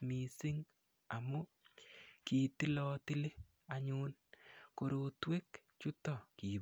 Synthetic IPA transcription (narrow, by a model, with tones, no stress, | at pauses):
mi˨sɪ˦ŋ | a˨mʊ˦ | ki˨ti˦lɔ˦tɪ˦le˦ | a˨ɲʊ˦nko˨ɾo˨twe˦kt͡ʃʊ˦tɔ˦˨ki˨b